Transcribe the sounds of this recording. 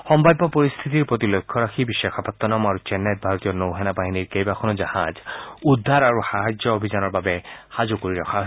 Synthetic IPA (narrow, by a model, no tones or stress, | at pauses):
xɔmbadɔpoɹist̪ʰit̪iɹpot̪ilokʰːɔɹaxʰibiʃɛjkʰapat̪ːɔnɔmaɹut͡ʃɛnɛt̚bʱaɹot̪ijɔnowɦɛnabaɦiniɹkejbaxʰɔnɔzaha̰zud̪ʱːaɹaɹuxaɦad͡ʒjɔobʱizanɔɹbabɛxazukoɹiɹɔkʰaɦo